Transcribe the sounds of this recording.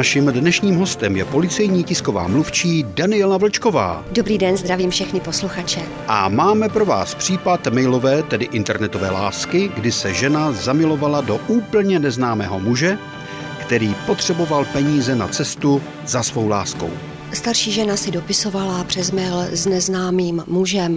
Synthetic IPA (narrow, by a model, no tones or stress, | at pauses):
naʃimdnɛʃɲiːmɦo̞st̪ɛmjɛpo̞lɪt͡sɛjɲiːcɪsko̞va̰ːmluft͡ʃiːdanɪɛlavl̩t͡ʃko̞va̰ːdobɾiːdɛnzd̪ɾaviːmfʃɛxnɪpo̞sluxat͡ʃɛ | ʔa̰maːmɛpɾo̞va̰ːspr̥iːpat̪mɛjlo̞vɛːt̪ɛdɪʔɪnt̪ɛɾnɛt̪ovɛːlaːskɪɡdɪsɛʒɛnazamɪlo̞valado̞ʔuːpl̩ɲɛnɛznaːmɛːɦo̞muʒɛ | kt̪ɛɾiːpo̞t̪r̝̥ɛbo̞valpɛɲiːzɛnat͡sɛst̪u | zasvo̞wlaːsko̞̰w | st̪aɾʃiːʒɛnasɪdo̞pɪso̞valapr̥ɛzmɛlznɛznaːmiːmːuʒɛm